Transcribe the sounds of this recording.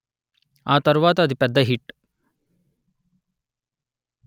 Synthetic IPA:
aːt̪ɐɾuʋaːt̪ɐd̪ipɛd̪ʱːɐɦiʈ

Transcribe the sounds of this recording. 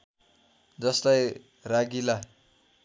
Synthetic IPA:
d͡zʌslaj | raɡila

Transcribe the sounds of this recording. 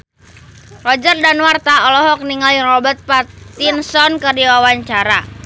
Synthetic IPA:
rɔd͡ʒərdanwart̪aɔlɔɦɔk̚niŋaljaŋrɔbət̪̚pat̪insɔnkɨrdiwawaɲt͡ʃaɾa

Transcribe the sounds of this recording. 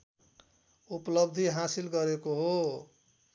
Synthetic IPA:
uplʌbd̪ʱiɦasilɡʌɾekoɦo

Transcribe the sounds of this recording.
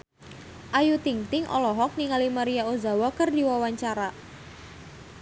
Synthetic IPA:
ʔajut̪iŋt̪ɪŋʔɔ̰lɔɦɔk̚niŋalimaɾijaozawɔkərdiwawaɲt͡ʃaɾa

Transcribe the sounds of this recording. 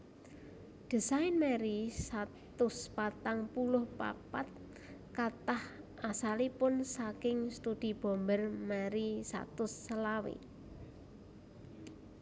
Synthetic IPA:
d̪̥ə̤saɪnmɛɾisat̪ʊspat̪aŋpulʊhpa̰pat̪̚ | kat̪ah | asalipʊnsakɪŋst̪ud̪̥i̤b̥o̤mbərmɛɾisa̰t̪ʊsːəlawḛ

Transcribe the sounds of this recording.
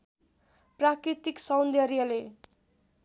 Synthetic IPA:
prakɾit̪iksʌwnd̪ʌɾijʌle

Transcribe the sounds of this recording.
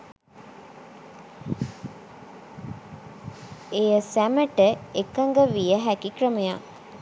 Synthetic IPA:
ejəsæməʈəekəŋɡəʋijəɦækikrəməja

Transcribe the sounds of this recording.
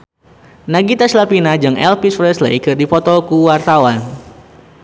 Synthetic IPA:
naɡit̪aslapinad͡ʒɨŋʔɛlpisfɾɛslḛkɨrdifɔt̪ɔkuwart̪awan

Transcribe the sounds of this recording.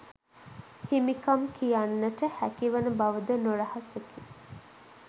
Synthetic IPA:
himikɐmkijanːəʈəhækiʋɐnəbɐʋəd̪ənoɾɐhɐseki

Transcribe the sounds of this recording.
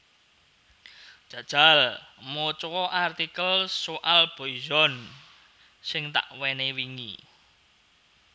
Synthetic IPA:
dʒ̥ä̤d̥ʒ̥a̤lmot͡ʃɔwɔʔart̪ikəlsoʔalb̥o̤izɔn | sɪŋt̪a̰ʔwɛnewiŋḭ

